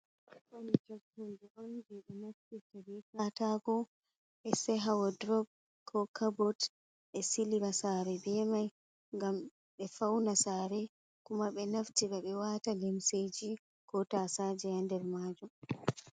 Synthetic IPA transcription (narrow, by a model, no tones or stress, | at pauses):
ʔanikaɾtund͡ʒɛʔɔnd͡ʒɛɓɛnaftitaɾikataɡɔ | ʔɛsɛɦawadɾɔb̚ | kʰɔkʰabɔt | ʔɛsiliɾasaːɾɛbɛmaj | ŋɡam | ɓɛfawnasaɾɛ | kumaɓɛnaftiɓɛɓɛwaːtalimsed͡ʒi | kɔtasad͡ʒɛandɛɾmaːd͡ʒum